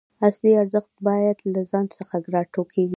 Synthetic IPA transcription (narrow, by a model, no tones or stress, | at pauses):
asliaɾzəxt̪̚bɑjad̪lazɑnsəxaɡɾɑʈokʰeɡi